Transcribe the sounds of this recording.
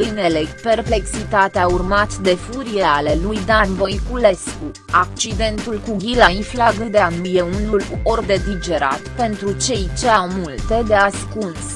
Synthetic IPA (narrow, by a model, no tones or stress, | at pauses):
ɨnelepe̞rple̞ksit̪at̪eaurmat̪d̪e̞fuɾieale̞lujd̪anvojkule̞sku | ak̚t͡ʃid̪e̞nt̪ulkuɡʲilainflaɡɨd̪eanuje̞unulo̞rd̪e̞d̪id͡ʒe̞ɾa̰t̪pe̞nt̪ɾut͡ʃe̞jt͡ʃe̞awmult̪e̞d̪easkuns